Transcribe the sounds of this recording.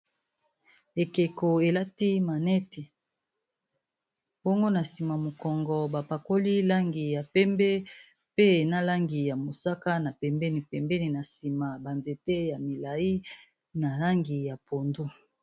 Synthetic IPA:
e˨ke˨ko˨e˨la˦ti˦ma˨nɛ˦ti˨ | bɔ˦ŋɡo˦na˨si˨ma˨mo˨kɔ˨ŋɡɔ˨ba˨pa˨ko˦li˦la˦ŋɡi˨ja˨pɛ˦mbɛ˦ | pe˦˨na˦la˦ŋɡi˨ja˨mo˨sa˦ka˦na˨pɛ˨mbɛ˦ni˨pɛ˨mbɛ˦ni˨na˨si˨ma˨ba˨nze˨te˦ja˨mi˨la˨i˦ | na˨la˦ŋɡi˨ja˨pʰo˨ndu˦

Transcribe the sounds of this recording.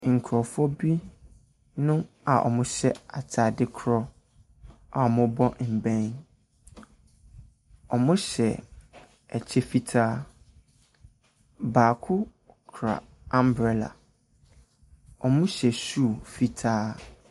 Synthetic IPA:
ŋ̩˨kʰɾɔ˨fɔ˦bi˦ | nʊ̃˦ | a˨ʔɔ̰˨mʊ̃˦ɕɛ˦a˨tʰa˨dɪ˦kʰɾɔ˦ | a˨ɔ˨mʊ̃˦bɔ̃˦m̩˨bɛ̃˦n | ɔ˨mʊ̃˦ɕɛ˨ | ɛ˨t͡ɕʰɛ˦fi˦tʰaː˦ | baː˨kʰʊ˦ | kʰɾa̰˨ | ã˦mbɾɛ˨la̰˨ | ɔ˨mʊ̃˦ɕɛ˨su˦˨fi˦tʰaː˦

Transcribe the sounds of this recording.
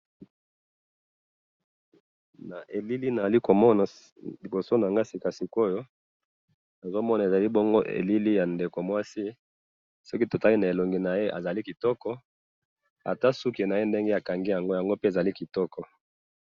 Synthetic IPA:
na˨ʔe˨li˦li˦na˨za˨li˦ko˨mɔ˦na˨ | li˨bo˨so˦n˨a˨ŋɡa˦si˨ka˨si˨ko˦jo˦ | na˨zo˦mɔ˦na˨e˨za˨li˦bɔ˦ŋɡo˦ʔḛ˨li˦li˦ja˨nde˨ko˨mwa˦si˦ | sɔ˦ki˦to˨ta˦li˦na˨e˨lo˨ŋɡi˨na˨je˦ʔa̰˨za˨li˦ki˨tɔ˦kɔ˦ | a̰˨ta˦su˦ke˨na˨je˦nde˦ŋɡe˦a˨ka˨ŋɡi˦ja˨ŋɡo˦ja˨ŋɡo˦pe˦e˨za˨li˦ki˨tɔ˦kɔ˨

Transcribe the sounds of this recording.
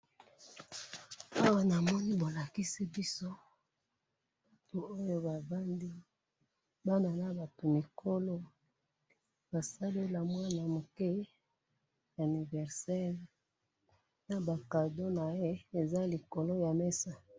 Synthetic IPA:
a˦wa˦˨na˨mɔ˦ni˦bo˨la˨ki˦si˦bi˦so˦ | ba˨to˨o˦jo˦ba˨va˦ndi˦ | ba˦na˨na˦ba˨to˨mi˨kʰo˦lo˦ | b̥a˨sa˦le˦la˨mwa˦na˨mo˨ke˦ | ja˨ni˨vɛ˨ʁsɛ˦ʁ | na˨ba˨ka˨do˦na˨je˦e˨za˦li˨ko˨lo˦ja˨mɛ˦sa˦

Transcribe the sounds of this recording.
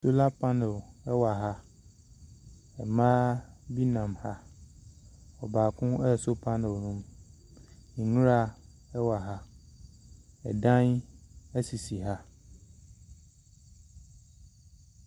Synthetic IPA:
so˦la˦pʰã˦nɪ˨ɛ˦wa˨ɦa˦ | ɛ̰˨mãː˦bi˦nã˨mha˦ | ɔ˨baː˨kʰʊ̃˦ɛ˦˨so˦pʰã˦nɪ˨lnũ˦m | ĩ˨nũ˦ɾa˨ | ɛ˦wa˨ɦa˦ | ɛ̰˨dã˦nɛ˦si˨si˨ɦa˦

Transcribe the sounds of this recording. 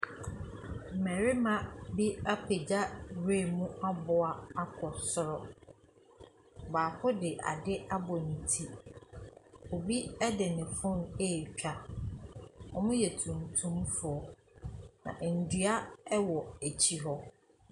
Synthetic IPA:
m̩˨mɛ˨ɾi˦mã˨bi˦a˦pʰe˨d͡ʑa˦ɾe˦˨mũ˦a˦bʊ˨a˦a˦kʰɔ˨sʊ˨ɾɔ˦ | baː˨fʊ˦dɪ˨ʔa̰˨dɪ˦a˦bɔ˨n̩˨tʰi˦ | o˨bi˦ɛ˦dɪ˨nɪ̃˨fʊ̃˦ne˦˨t͡ɕᶣa˨ | ɔ̰˨mʊ̃˦jɛ˨tʰũ˨mtʰũ˦mfʊ˨ɔ˨ | nã̰˨ʔn̩˨dɥa˦ɛ˦wɔ˨e˨t͡ɕʰi˦ɦɔ˦

